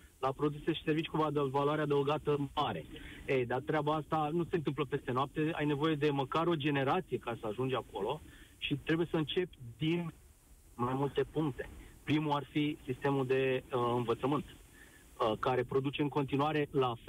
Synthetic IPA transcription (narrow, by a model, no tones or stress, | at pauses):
lapɾo̞d̪useeʃi̥se̞rvit͡ʃi̥kuvad̪valuaɾead̪əuɡat̪əmaɾe̞̰ejd̪at̪ɾeabaast̪anuse̞nt̪ɨmp̬ləpe̞st̪e̞noap̚t̪e̞a̰jne̞vo̞je̞d̪e̞məkaɾo̞d͡ʒe̞ne̞ɾat̪sije̞kaesəaʒund͡ʒako̞lo̞ʃit̪ɾe̞buje̞səɨnt͡ʃe̞pʲd̪in | majmult̪e̞puŋkt̪e̞̥pɾimuarfisist̪e̞mud̪e̞ɨnvət̪səmɨnt̪ | əkaɾe̞pɾo̞d̪ut͡ʃe̞ɨŋko̞nt̪inuaɾe̞laf